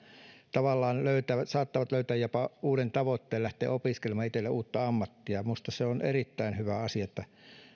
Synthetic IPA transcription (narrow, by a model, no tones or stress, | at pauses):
t̪ɑʋɑlːɑːnløyt̪ææsɑːt̪ːɑʋɑt̪løyt̪æːjjopɑuːɾent̪ɑʋot̪ːeːllæht̪ḛːopiskelemɑit̪elːeʔuːt̪ːɑɑmːɑt̪ːiɑmust̪ɑseonʔḛrit̪ːæinhyʋæɑsiɑet̪ːæ